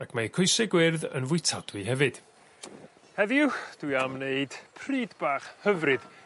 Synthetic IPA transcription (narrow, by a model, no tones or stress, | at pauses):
akʰmakʰojsɪɡwɪrðənvʊɨtʰad̥wɨɦɛvɨd̥ | hɛvɪwd̥ujamneɨd̥pʰriːdbaːχhəvrɨð̥